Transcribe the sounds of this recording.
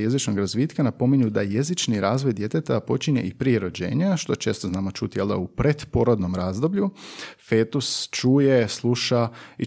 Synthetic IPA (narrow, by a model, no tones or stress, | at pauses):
je̞zit͡ʃnoɡɾazʋiːt̪kanapo̞miɲud̪aje̞zit͡ʃniɾaːzʋo̞jd̪ʲje̞t̪et̪apo̞t͡ʃiɲḛʔipɾieɾo̞d͡ʑḛːɲaʃt̪o̞t͡ʃe̞ːst̪oznaːmot͡ʃut̪ijeld̪a̰upɾe̞d̪poɾod̪no̞mɾaːzd̪o̞bʎufeːt̪ust͡ʃuːjeslˠuʃai